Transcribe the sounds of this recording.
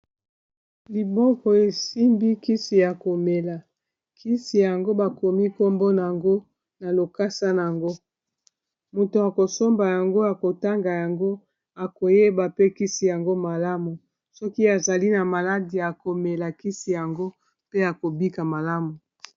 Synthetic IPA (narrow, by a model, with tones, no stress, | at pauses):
li˨bɔ˦kɔ˨e˨si˦mbi˦ki˦si˨ja˨ko˨me˨la˨ | kʰi˦si˨ja˨ŋɡo˦ba˨ko˨mi˦ko˦mbo˦na˨a˨ŋɡo˦ | na˨lo˨ka˦sa˦na˨a˨ŋɡo˦ | mo˨to˨a˨ko˨so˦mba˨ja˨ŋɡo˦ja˨ko˨ta˦ŋɡa˨ja˨ŋɡo˦ | a˨ko˨je˦ba˨pe˦ki˦si˨ja˨ŋɡo˦ma˨la˦mu˨ | sɔ˦ki˦a˨za˨li˦na˨ma˨la˦di˨ja˨ko˨me˨la˨ki˦si˨ja˨ŋɡo˦ | pe˦a˨ko˨bi˦ka˨ma˨la˦mu˨